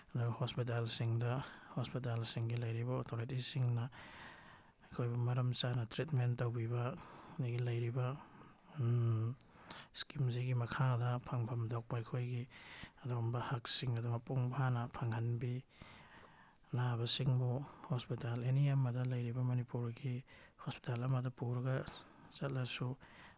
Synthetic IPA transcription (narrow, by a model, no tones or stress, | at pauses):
ɐduɡhospit̬alsiŋdɐhospit̬alsiŋɡilɐjɾibɐotʰoɾitisiŋnɐ | ɐkʰojbumɐɾɐmt͡ʃanɐtɾitmentowbibɐnɡilɐjɾibɐ | skimziɡimɐkʰadɐpʰaŋbʰɐmdak̚pɐɐjkʰojɡiɐdoɡɔmbɐhaksiŋɐduŋɐpuŋbʰʱanɐpʰaŋhɐnbi | naβɐsiŋbuhospitaleniamɐdɐlɐjɾibɐmɐnipuɾɡihospi̥talɐmɐdɐpuɾɡɐ | t͡ʃɐt̚lɐsu